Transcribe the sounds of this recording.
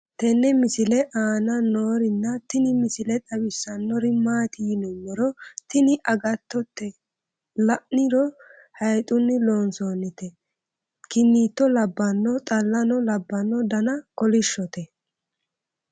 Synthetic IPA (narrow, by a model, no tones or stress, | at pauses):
t̪ɛnːɛmɪsɪlɛʔaːnɐnoːɾɪnːɐt̪ɪnɪmɪsɪlɛt̪ʼɐbɪsːɐnːɔɾɪmaːt̪inɔmːɔɾɔt̪ɪnɪʔɐɡɐt̪ːɔt̪ːɛ | lɐʔnɪɾɔ | hɐjt̪ʼʊnːɪlo̞ːnsoːnːɪt̪ɛ | kɪnːiːt̪ːɔlɐbːɐnːɔt̪ʼɐlːɐnɔlɐbːɐnːɔd̪ɐnɐkɔlɪʃːɔt̪ɛ